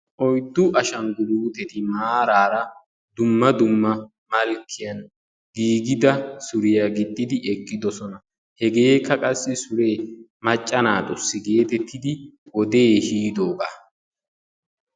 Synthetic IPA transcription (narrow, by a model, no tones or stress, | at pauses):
ʔɔjd̪ːʊʔɐʃɐŋɡʊluːt̪ɛt̪ɪmaːɾaːɾɐ | d̪ʊmːɐd̪ʊmːɐ | mɐlkʰːɪjɐn | ɡiːɡɪd̪ɐsʊɾɪjaɡɪd̪ːɪd̪ɪʔɛkʼːɪd̪ɔsɔnɐ | hɛɡe̞ːkːɐkʼɐsːɪsʊɾe̞ːmɐt͡ʃʼːɐnaːd̪ɔsːɪɡe̞ːt̪ɛt̪ʰːɪd̪ɪwɔd̪e̞ːhiːd̪o̞ːɡa̰ː